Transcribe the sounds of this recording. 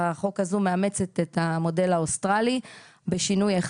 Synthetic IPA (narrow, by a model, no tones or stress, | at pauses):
aχo̞kazume̞ame̞t͡set̪etamo̞de̞laostʁalibeʃinujaeχ